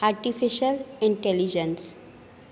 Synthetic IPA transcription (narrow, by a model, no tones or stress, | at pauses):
aɾʈifiʃəlĩɳʈelid͡ʒə̃ns